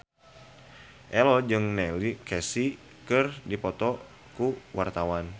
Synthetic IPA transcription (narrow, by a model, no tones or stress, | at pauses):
ʔɛlɔd͡ʒɨŋnɛlikɛsi | kɨrdipɔt̪ɔ | kuwart̪awan